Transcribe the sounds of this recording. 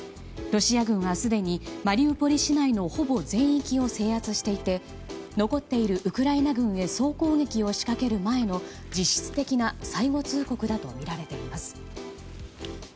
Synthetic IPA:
ɾo̞ɕiaɡɯ̟̃ɰ̃βasɨd̪e̞ɲ̟imaɾʲiɯpo̞ɾʲiɕinaino̞ho̞bo̞zẽ̞ɰ̃ikʲio̞se̞ːhat͡sɨɕi̥t̪e̞it̪e̞ | no̞ko̞t̪ːe̞iɾɯ̟ʔɯ̟kɯ̟ɾainaɡɯ̟̃ɰ̃e̞so̞ːko̞ːŋe̞kʲio̞ɕi̥kake̞ɾɯ̟mae̞no̞ | d͡ʑiɕːi̥t͡sɨ̥t̪e̞kʲinasaiɡo̞t͡sɨːko̞kɯ̟d̪at̪o̞̰mʲiɾaɾe̞t̪e̞imasɨ̥

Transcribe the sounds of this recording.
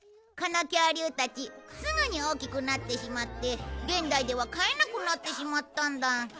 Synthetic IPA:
kanakʲaːɾʲɯːt̪at͡ɕisɨnɯ̟ɲ̟io̞ːkʲikɯ̟nat̪ːe̞ɕimat̪ːe̞ɡẽ̞nd̪aid̪e̞βakae̞nakɯ̟nat̪ːe̞ɕimat̪ːãnd̪a

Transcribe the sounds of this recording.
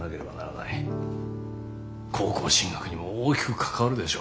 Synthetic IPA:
nake̞ɾe̞bana̰ɾana̰i | kʰo̞ːko̞ːɕĩŋɡakɯ̟ɲ̟imooːkʲi̥kɯ̟̥kʰḁkaβaɾɯ̟d̪e̞ɕo̰

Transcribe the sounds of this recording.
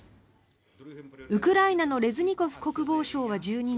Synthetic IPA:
ɯ̟kɯ̟ɾainano̞ɾe̞zɨɲ̟iko̞ɸɯ̟̥ko̞kɯ̟bo̞ːɕo̞ːβ̞ad͡ʑɨːɲ̟i

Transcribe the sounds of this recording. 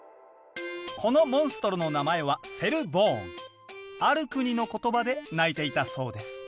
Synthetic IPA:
kʰo̞no̞mõ̞ɰ̃sɨ̥t̪o̞ɾɯno̞namae̞βase̞ɾɯ̟bõ̞ːŋ | aɾɯ̟kɯ̟ɲ̟ino̞ko̞t̪o̞bad̪e̞nait̪e̞it̪aso̞ːd̪e̞sɨ̥

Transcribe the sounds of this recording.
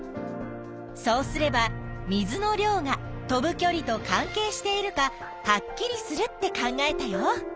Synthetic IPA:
so̞ːsɨɾe̞bamʲizɨno̞ɾʲo̞ːŋa | t̪o̞bɯ̟kʲo̞ɾʲit̪o̞kãŋke̞ːɕi̥t̪e̞iɾɯ̟ka | hakʲːiɾʲisɨɾɯ̟t̪ːe̞kãŋɡae̞t̪ajo

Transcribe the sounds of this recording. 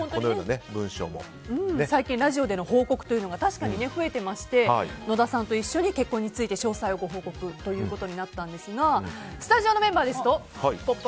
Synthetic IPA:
ont̪onojona̰nebɯ̟̃ɰ̃ɕo̰ːmo̰ | ɯ̟̃ɴnesaikʲĩnɾaʑio̞d̪e̞no̞ho̞ːko̞kɯ̟̥t̪o̞jiɯ̟no̞ɡat̪aɕi̥kaɲ̟ine̞ɸɯ̟e̞t̪e̞maɕi̥t̪e̞ino̞d̪asãnt̪o̞iɕːo̞ɲ̟ike̞kːõ̞ɲ̟ːit͡sɨit̪e̞ɕo̞ːsaio̞ɡo̞ɦo̞ːko̞kɯ̟t̪o̞jɯ̟ːko̞t̪o̞ɲ̟inat̪ːãnd̪e̞sɨɡasɨ̥t̪aʑio̞no̞mẽ̞mbaːd̪e̞sɨ̥t̪o̞ | hipːopː

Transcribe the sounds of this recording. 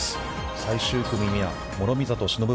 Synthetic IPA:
s | saiɕɨːkɯmʲimʲia̰ | mo̞ɾo̞mʲizat̪o̞ɕino̞bɯ

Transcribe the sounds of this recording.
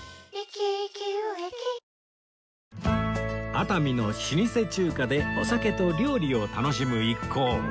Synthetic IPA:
at̪amʲino̞ɕiɲʲise̞t͡ɕɨːkad̪e̞osake̞t̪o̞ɾʲo̞ːɾʲio̞t̪ano̞ɕimɯ̟ikʰːo̞ː

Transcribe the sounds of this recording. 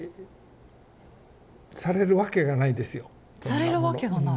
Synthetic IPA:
saɾe̞ɾɯ̟βake̞ɡanaid̪e̞sɨjo | saɾeɾɯβake̞ɡana

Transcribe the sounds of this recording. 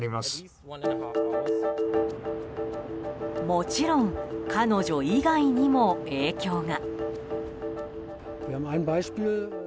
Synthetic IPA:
ɾʲimasɨ̥ | mo̞t͡ɕiɾõ̞ŋkʰano̞ʑo̞iɡaiɲ̟imo̞e̞ːkʲo̞ːŋa | viːɐhaːbm̩aɪnbaɪʃpiːl

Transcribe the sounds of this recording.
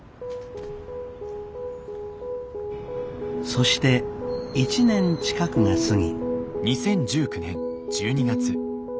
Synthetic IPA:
so̞ɕi̥t̪e̞it͡ɕinẽ̞ɲt͡ɕi̥kakɯ̟ŋasɨŋʲḭɲisẽ̞ɲd͡ʑɨːkɯ̟nẽ̞n | d͡ʑɨːɲ̟iɡat͡sɨ

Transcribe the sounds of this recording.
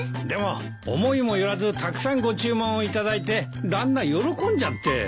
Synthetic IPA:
d̪e̞mo̞ | o̰mo̞imo̞joɾazɨt̪akɯ̟̥sãŋɡo̞t͡ɕɨːmõɰ̃oit̪ad̪ait̪e̞ | d̪ãnːajo̞ɾo̞kõ̞ɲ̟d͡ʑat̪ːe̞̰

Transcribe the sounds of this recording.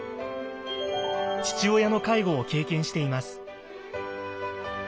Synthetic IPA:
t͡ɕi̥t͡ɕio̞jano̞kaiɡo̞ːke̞ːkẽ̞ɰ̃ɕi̥t̪e̞imasɨ̥

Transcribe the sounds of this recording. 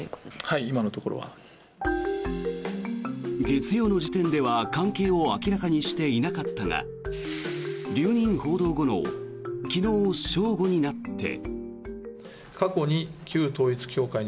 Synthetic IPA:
haiimano̞t̪o̞ko̞ɾo̰βa̰ | ɡe̞t͡sɨjo̞ːno̞ʑit̪ẽ̞nd̪e̞βakãŋke̞ːo̞akʲiɾakaɲ̟iɕi̥t̪e̞inakat̪ːaŋa̰ | ɾʲɨːɲ̟ĩɰ̃ho̞ːd̪o̞ːɡo̞no̞̰kʲino̞ːɕo̞ːɡo̞ɲ̟inat̪ːe̞̰ | kako̞ɲ̟ikʲɨːt̪o̞ːit͡sɨ̥kʲo̞ːkai

